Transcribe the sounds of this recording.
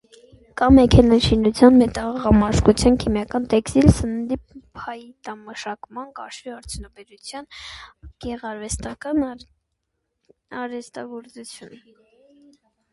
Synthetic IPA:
kɑmɛkʰɛnɑnʃinut͡sʰjɑnmɛt̪ɑʁɑmɑɾskut͡sʰjɑnkʰimjɑkɑnt̪ɛkst̪ilsənənd̪ipʰɑjt̪ɑməʃɑkmɑnkɑʃviɑɾt͡sʰjunɑbɛɾut͡sʰjɑnɡ̥ɛʁɑɾvɛst̪ɑkɑn | ɑɾɛst̪ɑɡɔɾt͡sut͡sʰjun

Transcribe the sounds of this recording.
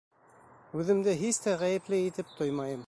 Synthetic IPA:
ʉðɘ̆md̪ɘɦist̪æʁæjɘ̆plɘit̪ɘp̚t̪ojmɑjɤm

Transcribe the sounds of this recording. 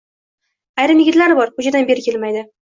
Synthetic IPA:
ajɾɪmjɪɡʲɪt̪laɾbɒɾkʊd͡ʒad̪anbe̞ɾɪkʲe̞lmajd̪ɪ

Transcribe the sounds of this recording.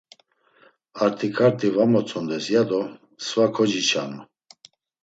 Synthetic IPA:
aɾt̪ʰikʰaɾt̪ʰʼivamɔt͡sʰʼɔnd̪ɛsjad̪ɔ | svakʰɔd͡ʒit͡ʃʰanu

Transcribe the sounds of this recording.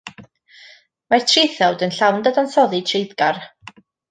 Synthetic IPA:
martʰrɪθɛwdənɬawndadansɔðɨtʰrejdɡar

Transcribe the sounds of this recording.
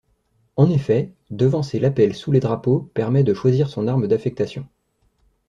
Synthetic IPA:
ɑ̃nefɛ | d̪əvɑ̃selapɛlsuled̪ʁapopɛʁmɛd̪əʃwaziʁsɔ̃naʁməd̪afɛk̚t̪asjɔ̃

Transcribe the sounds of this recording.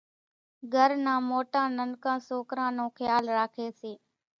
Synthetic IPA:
ɡʱəɾnãːmoːʈãːnənkãːsoːkɾãːnõːxjaːlɾaːkʰeːseː

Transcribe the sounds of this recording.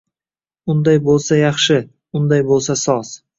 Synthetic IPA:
ʊnd̪ajbolˠsajɑχʃɪ | ʊnd̪ajbolˠsasɒs

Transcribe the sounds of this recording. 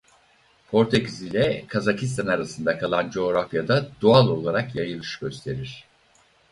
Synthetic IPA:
pʰo̞ɾt̪ʰecizilʲɛkʰazacʰist̪ʰanaɾasɯnd̪akʰalˠand͡ʒo̞oɾafjad̪ad̪ualˠo̞lˠaɾakjajɯlˠɯʃɟ̥ø̞st̪ʰe̞ɾiɾ̥

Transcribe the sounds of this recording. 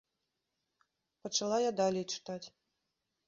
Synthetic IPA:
pɐt͡ʂalˠajad̪alʲɛjt͡ʂɨ̥t̪at͡sʲ

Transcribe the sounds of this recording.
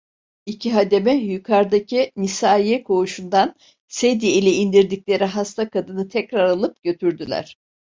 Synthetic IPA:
icʰiɦad̪e̞mɛjykʰaɾd̪acʰinisaːiɛkʰo̞uʃund̪an | sed̪ielʲɛind̪iɾd̪iclʲe̞ɾiɦast̪ʰakʰad̪ɯnɯt̪ʰɛcɾaɾalˠɯp̚ɟø̞t̪ʰyɾd̪ylʲæ̰ɾ̥

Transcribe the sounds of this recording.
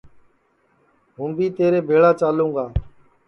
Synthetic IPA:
ɦũːmbiːt̪eːɾeːbʱeːɭaːt͡ʃaːlũːɡaː

